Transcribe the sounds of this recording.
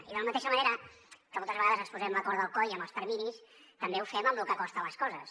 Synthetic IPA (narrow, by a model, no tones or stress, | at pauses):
iðələmət̪eʃəməneɾəkəmɔlˠt̪əzβəɣaðəzəkspuzɛmləkɔɾðəlˠkɔjəmbəlˠspəɾmiɾis | t̪əmbeufɛməmlukəkɔst̪ələskɔzəs